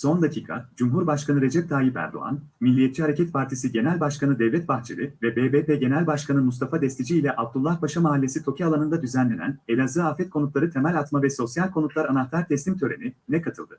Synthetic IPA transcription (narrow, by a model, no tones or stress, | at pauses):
so̞nd̪acʰiːkʰa̰d͡ʒumɦuɾbaʃkanɯɾe̞d͡ʒɛp̚d̪ʰaːjipæ̰ɾd̪o̞̰a̰n | milʲːijet̪̚t͡ʃihaɾe̞cɛt̪pʰaɾt̪ʰisiɟe̞nɛlʲbaʃkanɯd̪ɛvlʲɛt̪̚baxt͡ʃʰelʲivɛbeːbeːpeɟe̞nælʲbaʃkʰanɯmust̪afad̪ɛst̪ʰid͡ʒiːlʲɛʔab̚d̪ulˠːahbaʃamaɦalʲːesit̪ʰo̞cʰialˠanɯnd̪ad̪yzænlʲe̞næ̰ne̞lʲazɯafɛt̪̚kʰo̞nut̪lˠaɾɯt̪ʰe̞mælʲat̪mavɛso̞sjalʲkʰo̞nut̪lˠaɾanaxt̪ʰaɾt̪ʰɛslʲimt̪ʰø̞ɾe̞̰ninɛkʰat̪ʰɯlˠd̪ɯ